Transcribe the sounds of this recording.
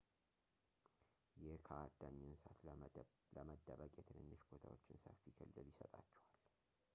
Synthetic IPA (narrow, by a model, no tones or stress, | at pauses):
jɛhkʰəad̪ːaɲːɛnsat̪ | ləməd̪ːəβəkʼjet̪ʰɨnɨnːəʃbot̪ʰawot͡ʃːɪnsəfːikʰɨlːɨljɪsət̪ʼat͡ʃːɛwal